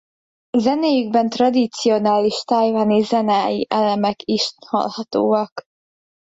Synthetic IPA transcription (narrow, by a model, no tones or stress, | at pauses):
zɛneːjyɡ̚bɛnt̪rɒd̪it̪sio̞naːliʃt̪ajvanizɛnaːjḭʔɛlɛmɛkiʃhɒ̰lhɒt̪o̰ːɒk